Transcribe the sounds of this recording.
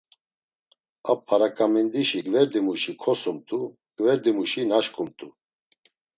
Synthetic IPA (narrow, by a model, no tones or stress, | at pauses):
a̰pʰːaɾakʼamind̪iʃiɡvɛɾd̪imuʃikʰɔsumt̪ʼu | ɡ̥vɛɾd̪imuʃinaʃkʼumt̪ʼu